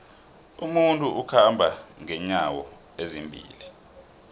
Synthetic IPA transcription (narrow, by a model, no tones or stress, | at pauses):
umuntʼuʔukʰambʱaŋɛɲawɔ | ezimbʱḭːli